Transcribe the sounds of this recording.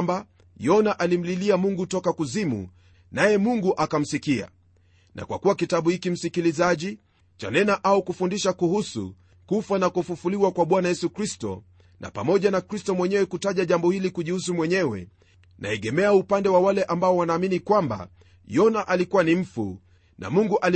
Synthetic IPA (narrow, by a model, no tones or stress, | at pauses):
mba | jɔnaʔalim̩liliamuŋɡutɔkakuzimṵ | najɛmuŋɡuʔakam̩sikia̰ | nʔa̰kwa̰kuwakitaɓuhikim̩sikilizaʄi | t͡ʃa̰nɛnaʔaukufundiʃakuhusṵ | kufanakufufuliwakwaɓwanajɛsukɾistɔ̰ | nʔa̰pamɔʄanakɾistɔmwɛɲɛwɛkutaʄaʄambɔhilikuʄihusumwɛɲɛwɛ̰ | nʔa̰ɛɠɛmɛaupandɛwawalɛʔambaɔwanaːminikwamba̰ | jɔnaʔalikuwanim̩fṵ | nʔa̰muŋɡuʔali